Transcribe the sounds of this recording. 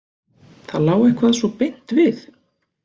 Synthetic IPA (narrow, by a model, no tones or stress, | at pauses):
θaðlaːwehkvaːðsvɔpɪjn̥t̪vɪθ